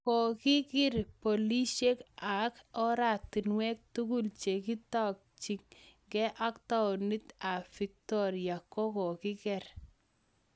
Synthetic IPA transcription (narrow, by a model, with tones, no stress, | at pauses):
kɔ˨ki˦kɪ˦ɾpo˨li˦ʃe˦ka˨kɔ˦ɾa˨ti˨nwɛ˦k̚tu˦ɡu˦lt͡ʃe˨ki˦tɔ˦k̚t͡ʃi˨ŋ | ɡɛ˦ʔa˦kta˦ɔ˨ni˦ta˨fi˨k̚tɔ˦ɾja˨kɔ˦kɔ˨kɪ˦kɛ˨r